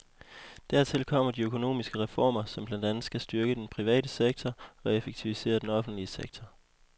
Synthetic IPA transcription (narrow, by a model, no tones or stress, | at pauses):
d̥æɐ̰t͡sʰe̝lkʰɒ̽m̰ɐdiøkʰo̝no̝̰ːmisɡ̥əʁɛfɒ̰ːmɐsɒ̽mb̥lænd̥ænð̩ˠsɡ̥æsd̥yɐɡ̥əd̥enpʰʁiʋɛ̰ːɾəseɡ̥̚t͡sʰɒɒ̽e̝feɡ̥̚t͡sʰiʋise̝̰ːɐd̥enɒ̽fn̩d̥liəseɡ̥̚t͡sʰɒ